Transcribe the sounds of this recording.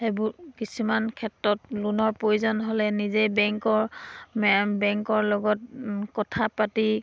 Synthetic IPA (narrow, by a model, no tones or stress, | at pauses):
ebʊkisumankʰɛtɹɔtlunɔɹpojuzɔnɦolɛnizejbɛŋkɔɹmbɛŋkɔɹlɔɡɔtkɔtʰapati